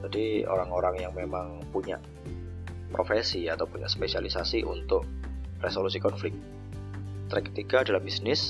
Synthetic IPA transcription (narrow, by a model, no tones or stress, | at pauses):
d͡ʒadio̰ɾaŋoɾaŋjaŋmemaŋ | puɲa̰ʔ | pɾofesiat̪awpuɲa̰ʔspesialisasiʔṵnt̪ʊk̚resolus̬ikɔnflɪk̚t̪̚ | t̪ɾakə̥t̪ikaːdalahbisnɪs